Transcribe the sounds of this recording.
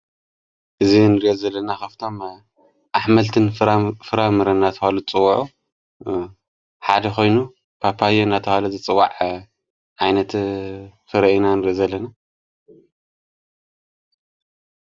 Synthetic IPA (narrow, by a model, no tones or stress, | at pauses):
ʔɨzinɨɾiʔozɐlːɐnakaft̪ʰo̞m | ʔaħmɐlt̪ʰɨnfɨɾamɨɾɐnːat̪ʰɐhalut͡sʼɨwːuʕu | ħad̪ɐxo̞jnu | pʰapʰajenat̪ʰɐhaluzɨt͡sʼɨwːa̰ʕ | ʕajnɐt̪ | fɨɾɐʔinanɨɾiʔozɐlːɐna